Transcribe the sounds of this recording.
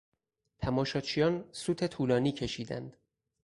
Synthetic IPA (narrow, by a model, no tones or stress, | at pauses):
t̪ʰæmɒːʃɒːt͡ʃʰijɒːnsuːt̪ʰe̞t̪ʰuːlɒːniːcʰe̞ʃiːd̪æ̰nd̪̥